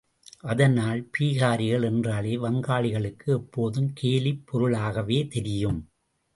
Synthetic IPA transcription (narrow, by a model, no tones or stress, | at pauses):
ʔɐðɐnaːlpiːɣaːɾɪɣɐɭɛndraːleːʋɐŋɡaːɭɪɣɐɭɯkːɯɛpːoːðɯmkʰeːlɪpːɔɾɯɭaːɣɐʋeːt̪ɛɾɪjɯm